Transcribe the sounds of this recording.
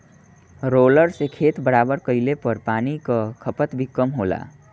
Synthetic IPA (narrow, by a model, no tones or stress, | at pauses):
ɾoləɾsekʰet̪bəɾabəɾkəɪlepəɾpanikəkʰəpət̪bʱikəmɦola̰